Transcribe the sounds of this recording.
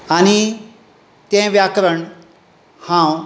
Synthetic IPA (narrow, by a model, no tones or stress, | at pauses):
ani | t̪ẽʋjakɾəɳ̃ | hãw